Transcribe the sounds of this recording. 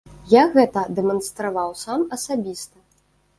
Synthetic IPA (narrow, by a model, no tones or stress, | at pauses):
jaɣɛt̪ɐd̪ɛmɐnst̪ɾavawsamɐsabʲist̪ɐ